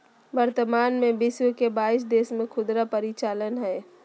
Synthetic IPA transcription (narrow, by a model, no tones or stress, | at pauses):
bəɾt̪əmaːnmẽbɪswəkebaːɪs̬d̪eːsmẽkʰʊd̪ɾapəɾɪt͡ʃaːlənɦɛː